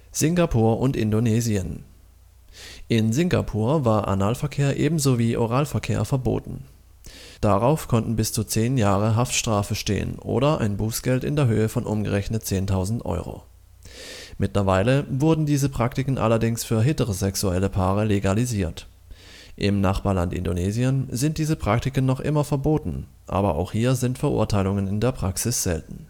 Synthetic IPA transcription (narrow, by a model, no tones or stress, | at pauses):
z̥ɪŋɡapʰuːɐʔʊntʔɪ̰ndoneːziən | ʔɪnzɪŋɡa̰pʰuːɐvaːɐʔa̰naːlfɛɐkʰeːɐʔeːbm̩zoːviːʔoʁaːlfɛɐkʰḛːɐfɛɐbo̰ːtn̩ | d̥aʁaʊfkʰɔntn̩bɪst͡sut͡seːnjaːʁəɦaftʃtʁ̥aːfəʃtḛːə̰nʔo̰ːɾɐʔa̰ɪnbuːsɡ̥ɛltɪ̰ndeːɐɦøːəfɔnʔʊmɡə̰ʁɛçnət̚t͡seːntʰaʊzn̩tʔɔ̰ʏʁo̰ː | mɪtlɐvaɪləvʊɐdn̩diːzəpʁ̥aktɪkən̩ʔa̰lɐdɪŋsfyːɐɦɪtəʁəzɛksuɛləpʰaːʁəleɡaliziːɐt | ʔɪmnaχb̥aːɐlantɪ̰ndoneːziənzɪntd̥iːzəpʁ̥ak̚tɪkənːɔχʔɪ̰mɐfɛɐboːtn̩ | ʔa̰ːbɐʔa̰ʊxhiːɐzɪntfɛɐʔʊ̰ɐtʰaɪlʊŋənɪndeːɐpʁ̥aksɪsz̥ɛ̰ltn̩